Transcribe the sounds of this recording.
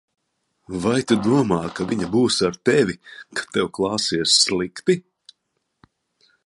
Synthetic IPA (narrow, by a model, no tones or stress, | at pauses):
vajt̪ud̪uɔmaːkavʲiɲabuːsaɾt̪ɛvʲikḁt̪ɛwklˠɑːsiɛsːlˠikt̪i